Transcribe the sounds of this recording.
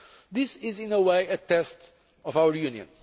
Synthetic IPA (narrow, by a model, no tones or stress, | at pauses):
ðisɪzĩnəweɪɨt̪ɛst | ɔvawəjũniɨ̰̃n